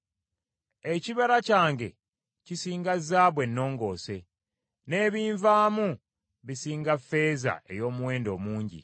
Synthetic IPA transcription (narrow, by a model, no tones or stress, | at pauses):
eciβaɾacaːŋɡe̞̰ | cisiːŋɡazːaːβwe̞nːo̞ːŋɡo̞ːse̞ | ne̞ːβiːɱvaːmu | βisiːŋɡafe̞ːza̰ʔe̞̰jo̞ːmuwe̞ːndo̞ːmuːɲɟḭ